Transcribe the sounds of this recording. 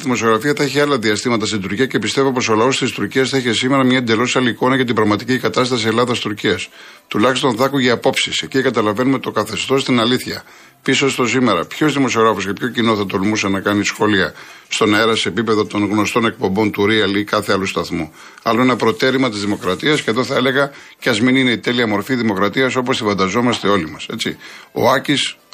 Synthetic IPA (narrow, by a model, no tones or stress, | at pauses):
ðimo̞sio̞ɣɾɐfiɐθɐeçiɐlɐðiɐst̪imɐt̪ɐst̪ind̪uɾciɐce̞pist̪e̞vopo̞so̞lɐo̞st̪ist̪uɾciɐsθɐeçesime̞ɾɐmɲɐend̪e̞lo̞sɐliko̞nɐʝɐt̪ibɾɐɣmɐt̪icikɐt̪ɐst̪ɐsie̞lɐðɐst̪uɾciɐs | t̪ulɐçist̪o̞nθɐkuʝeɐpo̞psise̞cikɐt̪ɐlɐve̞numet̪okɐθe̞st̪o̞st̪inɐliθçɐ̰ | pisost̪o̞sime̞ɾɐpço̞zðimo̞sio̞ɣɾɐfoscepço̞cino̞θɐt̪o̞lmusenɐkɐnisxo̞liɐ | st̪o̞nɐeɾɐseːpipe̞ðo̞t̪o̞nɣno̞st̪o̞ne̞k̚po̞mbo̞nt̪uɾiɐlikɐθe̞ɐlust̪ɐθmu | ɐloinɐpɾo̞t̪e̞ɾimɐt̪izðimo̞kɾɐt̪iɐsceɐvðoθɐe̞le̞ɣɐ | ceɐzminine̞it̪e̞liɐmo̞ɾfiðimo̞kɾɐt̪iɐso̞post̪ifɐnd̪ɐzo̞mɐst̪e̞o̞limɐse̞t͡sḭo̞̰ɐcis